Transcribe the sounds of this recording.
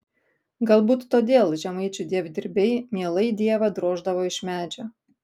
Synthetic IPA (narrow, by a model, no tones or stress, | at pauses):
ɡɐlˠbuːt̪ːoːd̪ʲeːlˠʒʲɛmɐɪt͡ʃʲʊd̪ʲiɛʋd̪ʲɪɾʲbʲɛɪmʲiɛlˠɐɪd̪ʲiɛʋɐd̪ɾoːʒd̪ɐʋoːɪʃʲmʲæːd͡ʒʲo